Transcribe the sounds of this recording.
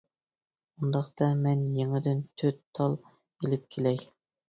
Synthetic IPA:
und̪ɑχt̪ɑmɛnjeŋɪd̪ɪnt̪ʰøt̪ʰːɑlˠ | elɪp̚kʲʰelɛj

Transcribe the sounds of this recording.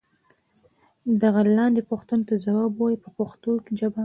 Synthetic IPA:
d̪aɣalɑnd̪epʊxt̪unot̪azawɑbwɑjipəpaxt̪oked͡ʒaba

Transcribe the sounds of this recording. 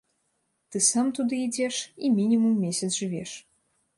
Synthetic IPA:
t̪ɨsamt̪ud̪ɨid͡zʲɛʂimʲinʲimumːʲesʲɐt̪zʐɨvʲɛʂ

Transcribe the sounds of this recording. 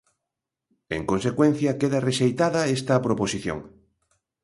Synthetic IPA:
ḛŋkonsekwen̟θjɐkeðɐreʃejt̪aðɐest̪ɐpɾoposiθjo̰ŋ

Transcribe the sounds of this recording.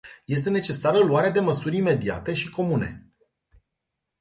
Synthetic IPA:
je̞s̬t̪e̞ne̞t͡ʃe̞saɾəluaɾead̪e̞məsurʲime̞d̪ia̰t̪e̞ʃiko̞mune̞̰

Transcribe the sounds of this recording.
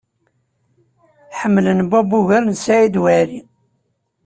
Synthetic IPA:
ħəmːlənbæbuʝæɾnsaʕid̪wæɾi

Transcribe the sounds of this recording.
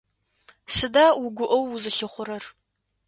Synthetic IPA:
sɨdaːwʊɡʷʊʔɐwːuzɨɬɨχʷʊɾɐr

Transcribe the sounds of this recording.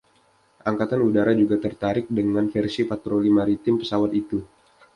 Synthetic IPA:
ʔaŋkat̪anudaɾad͡ʒuɡat̪ərt̪aɾɪk̚dəŋanfɛrsipat̪ɾolimaɾit̪ɪmpə̥sawat̪it̪u

